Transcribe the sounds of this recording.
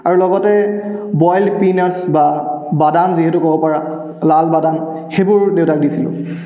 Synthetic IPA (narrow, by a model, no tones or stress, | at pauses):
aɹulɔɡɔtɛbɔjlpinasbabadanziɦetukɔbɔpaɹa | lalbadan | xebʊɹdeʊtakdisilʊ̰̃